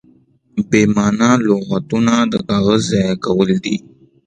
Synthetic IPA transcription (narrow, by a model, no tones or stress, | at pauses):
bemɑnaloɣat̪unad̪əkɑɣazːɑjɑkawəld̪i